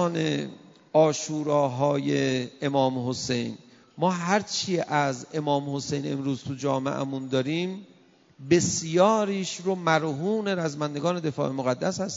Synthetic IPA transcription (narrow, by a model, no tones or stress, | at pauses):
nḛ | ɒːʃuːɾɒːɦɒːje̞emɒːmɦose̞jn | mɒːɦæɾt͡ʃʰiːʔæze̞mɒːmho̞se̞jne̞̰mɾuːzt̪ʰud͡ʒɒːmḛʔæ̰mund̪ɒːɾiːm | be̞sjɒːɾiːʃɾomæɾɦuːne̞ɾæzmænd̪e̞ɡɒːne̞d̪e̞fɒ̰ːʔemoɣæd̪ːæshæs